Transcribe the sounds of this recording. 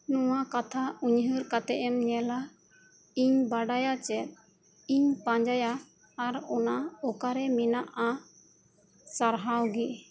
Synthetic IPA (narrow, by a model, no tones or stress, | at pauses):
nɔwakat̪ʰauɲɦɯɾkat̪ɛʔɛmɲɛla | iɲbaɖajat͡ʃɛt̪̚ˀ | iɲpãɲd͡ʒajaː | ɾɔnaɔkaɾɛmɛnaʔa | saɾɦawɡɛʔ